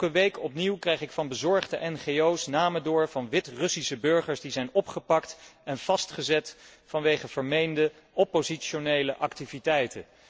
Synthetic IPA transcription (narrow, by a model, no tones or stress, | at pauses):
kəʋejkʰɔpniwkrɛjχɪkfɑnbəzɔɹχdəʔɛnχejowsnaːmədʊːɹvɑnʋɪtrɵsisəbɵɹχəɹsdizɛjnɔpχəpɑktɛnv̥ɑstχəzɛtfɑnʋejχəv̥əɹmejndə | opozitʃonejləʔɑktivitɛjtə